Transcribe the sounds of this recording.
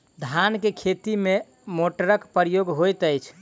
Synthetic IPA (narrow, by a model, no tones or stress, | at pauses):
d̪ʱankekʰet̪ime | moʈəɾəkpəɾjoɡɦojt̪əjt͡ʃʰ